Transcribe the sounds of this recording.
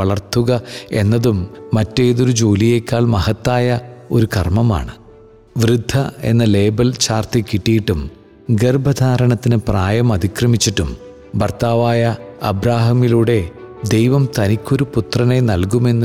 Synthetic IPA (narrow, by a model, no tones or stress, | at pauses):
ɐɭɐrt̪uɣɐe̞nːɐðumːɐtːe̞ːðo̞ɾud͡ʑoːlije̞kʲːaːɭmɐhɐt̪ːaːjɐo̞̰ɾukɐ̰rmɐma̰ːɳɨ | ʋrɨd̪ʱːɐe̞̰nːɐle̞ːbɐlt͡ɕaːrt̪ikːiʈːijiʈːum | ɡerbɐd̪ʱaːɾɐɳɐt̪ːinɨpraːjɐmɐd̪ʱikrɐmit͡ɕːiʈːum | bɐrt̪aːʋaːjɐɐ̰bɾaːɦɐmiluːɽe̞d̪e̞jʋɐmt̪ɐnikʲːo̞ɾuput̪rɐne̞nɐlk̬ume̞nːu